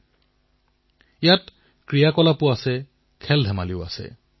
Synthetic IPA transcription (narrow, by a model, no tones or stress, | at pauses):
jat | kɹijakɔlapʊasɛ | kʰɛldʱɛmaliʊa̰sɛ̰